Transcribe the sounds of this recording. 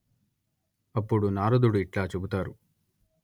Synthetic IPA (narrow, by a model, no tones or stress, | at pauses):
ɐpːuɽunaːɾud̪uɽuiʈlaːt͡ʃe̞but̪aːɾu